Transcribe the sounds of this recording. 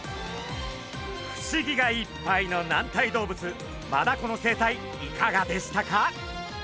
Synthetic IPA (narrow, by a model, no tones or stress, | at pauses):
ɸɕiɡʲiɡaipːaino̞nãnt̪aid̪o̞ːbɯ̟t͡sɨ | mad̪ako̞no̞se̞ːt̪ai | ikaɡad̪e̞ɕi̥t̪aka